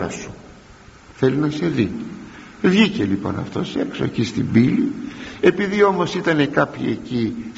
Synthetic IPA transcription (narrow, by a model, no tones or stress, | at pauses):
ɾɐ̰su̥ | θe̞linɐse̞ði | vʝice̞lipo̞̰nɐ̰ft̪o̞̰sekso̞ecist̪ibilie̞piðio̞mo̞sit̪ɐne̞kɐpçḭe̞̰ci